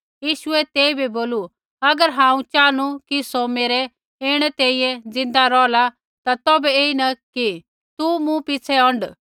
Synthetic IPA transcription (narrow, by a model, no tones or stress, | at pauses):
jiːʃʊɛt̪eːibiboːlu | ɐɡəɾɦãːũt͡ʃaːñukisomeːɾɛ | eːɽ̃ɛt̪eːiɛ̃d͡zɪ̃nd̪aɾɔːla | t̪at̪ɔːbɛeːinɐki | t̪umũpɪt͡sʰɛɔ̃ɳɖ